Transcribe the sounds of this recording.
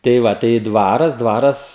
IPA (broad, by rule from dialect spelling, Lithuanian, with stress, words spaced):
tɐɪ ˈʋɐ tɐɪ ˈdʋɑːrɐs ˈdʋɑːrɐs